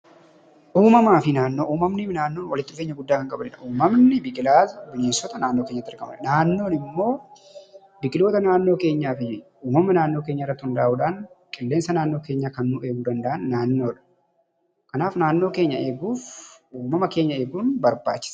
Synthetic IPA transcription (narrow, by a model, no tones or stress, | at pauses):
ʔuːmɐmaːfɪnaːnːo̞ːʔuːmɐmnɪnaːnːo̞ːnwɐlɪt̪ːɪʊfeːɲːɐɡʊd̪ːaːkɐŋkʼɐbɐlɪᶑɐʔuːmɐmnɪbɪkʼɪlaːzɐbɪneːsɔt̪ɐnaːnːo̞ːke̞ːɲːɐt̪ːɪɐɾkɐmɐnaːnːo̞ːnɪmːo̞ː | bɪkʼɪlo̞ːt̪ɐnaːnːoːke̞ːɲːaːfɪ | uːmɐmɐnaːnːo̞ːke̞ːɲːɐɪrːɐt̪ːɪhʊnd̪ɐaːʔuːᶑaːnkʼɪlːe̞ːnsɐnaːnːo̞ːke̞ːɲːaːkɐnːuːʔeːɡuːd̪ɐnd̪ɐʔɐnːaːnːo̞ːᶑ | kɐnaːfnaːnːo̞ːke̞ːɲːɐe̞ːɡuːfuːmɐmɐke̞ːɲːɐe̞ːɡuːnbɐɾba̰ːt͡ʃːɪ̥sɐ̥